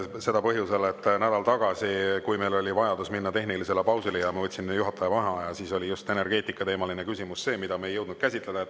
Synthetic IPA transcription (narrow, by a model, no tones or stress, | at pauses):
se̞d̪ɑpɤɦjuse̞let̪ːnæd̪̥ɑlt̪ɑɡ̥ɑsikujme̞jlo̞lʲivɑjɑd̪usminːɑt̪e̞ɦnilise̞lepɑwsilejɑmɑvɤt̪ʲːsinjuɦɑt̪ːɑjɑvɑnɦɑɑjɑsiːso̞lʲijust̪e̞ne̞rɡ̥e̞ːt̪ˑikːˑɑt̪e̞ːmɑlinekysʲimusse̞ːmid̪ɑmejɤwd̪nud̪kæsʲit̪le̞d̪̥ɑet̪ːˑ